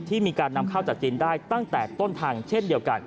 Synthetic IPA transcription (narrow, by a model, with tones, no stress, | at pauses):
t̪ʰiː˥˩miː˧kaː˧nːa˧mkʰa˥˩wt͡ɕa˨˩k̚t͡ɕiː˧ndaː˥˩jt̪a˥˩ŋt̪ɛː˨˩t̪o˥˩nt̪ʰaː˧ŋt͡ɕʰe˥˩ndi˧əwka˧n